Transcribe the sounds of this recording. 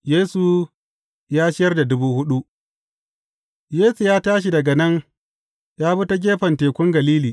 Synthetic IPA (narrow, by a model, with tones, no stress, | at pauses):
jeː˦su˨ | jaː˦ʃɪ˦jɐ˦rda˨dʊ˦buː˦hʊ˦ɗu˦ | jeː˦su˨jaː˦taː˦ʃ̬i˨dɐ˨ɡɐ˨nɐ˦ŋ | jaː˦bʊ˦ta˦ɡʲeː˦ɸɐ˨nteː˨kʷʊ˦ŋɡɐ˨liː˦liː˨